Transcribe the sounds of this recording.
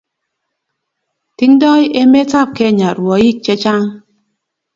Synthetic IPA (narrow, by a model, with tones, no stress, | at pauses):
ti˦ŋ˦dɔ˦je˦me˦ta˦˨p̚ke˦˨ɲa˨ɾwɔ˨˦ji˦˨k̚t͡ʃe˦t͡ʃa˦ŋ